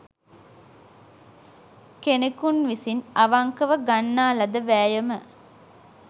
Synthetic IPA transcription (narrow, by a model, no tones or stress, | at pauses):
kenekunʋisinɐʋaŋkəʋəɡanːaːlɐd̪əʋæːjəmə